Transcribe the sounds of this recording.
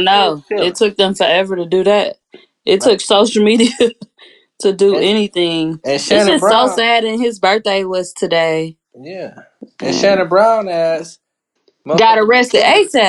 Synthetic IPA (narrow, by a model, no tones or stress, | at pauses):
noʊɪtʰʊk̚ðə̃ɱfə˞ɛvə˞ɾɨdɨðæt̚ | ʔɨtʰʊksoʊʃl̩ˠmiɾiɨ | ɾɨdəɛñiθɪ̃ŋʃɨ̃oʊsæɾɨ̃nɪzbɜ˞t̪̚deɪlɪstʰɨdeɪ | jæ | ɨʃænɨbɹãʊ̃næz̥ | ɡɡɑɾəɹɛstɨɾeɪsɛ